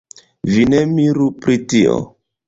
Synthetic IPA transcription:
vinemiɾupɾitio̰

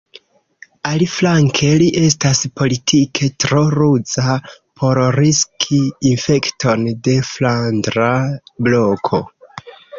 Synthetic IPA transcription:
aliflaŋkʰe̞liʔe̞staspo̞litʰikʰe̞tɾo̞ɾud͡zapʰo̞ɾɾiskʰiːnfe̞kto̞nde̞flandɾablo̞kʰo̞

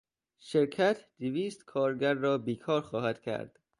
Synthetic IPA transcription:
ʃeɾkʰæt̪ʰd̪iviːst̪kʰɒːɾɡæɾːɒːbiːkʰɒːɾxɒːhæd̪̥kʰæ̰ɾd̪̥

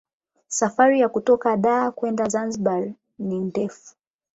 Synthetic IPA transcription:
safaɾijakutɔkaɗaːkwɛndazanzɓal | nindɛfu̥

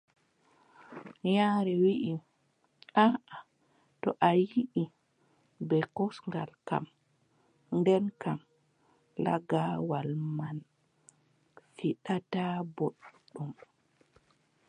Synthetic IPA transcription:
jaːɾɛwiʔi | ʔaʔa | tɔʔajiʔi | bɛkɔsŋɡalka̰m | ndɛnkam | la̰ɡawalman | fiɗataboɗːum

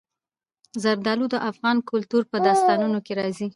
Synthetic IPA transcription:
zaɾd̪ɑlud̪əʔafɣɑnkʊlt̪uɾpəd̪ɑst̪ɑnunokeɾɑzi

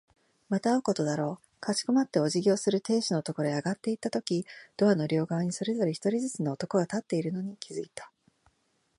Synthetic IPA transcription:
mat̪aoko̞t̪o̞d̪aɾo̞ː | kat͡ɕi̥komat̪ːe̞o̞ʑiɡʲo̞ːsɨɾɯ̟t̪e̞ːɕino̞t̪o̞ko̞ɾo̞eaɡat̪ːe̞it̪ːat̪o̞kʲid̪̥o̞βano̞ɾʲo̞ːɡaβɲ̟iso̞ɾe̞zo̞ɾe̞çi̥t̪o̞ɾʲizɨt͡sɨno̞ːt̪o̞ko̞ɡat̪at̪ːe̞iɾɯ̟no̞ɲ̟ikʲizɨit̪ḁ

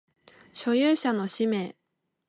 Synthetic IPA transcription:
ɕo̞jɨːɕano̞ɕime̞ː

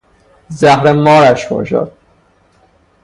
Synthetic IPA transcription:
zæhɾemɒːɾæʃbɒ̰ʃɒ̰ːd̪̚

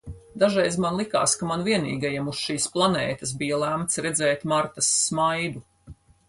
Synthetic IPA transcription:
d̪aʒɛjzmanlˠika̰ːskamanviɛnḭːɡajɛmusʃiːsplˠanɛːt̪ɐs̬bijalˠæmt̪sɾɛd̪zɛːt̪maɾt̪ɐsːmajd̪u

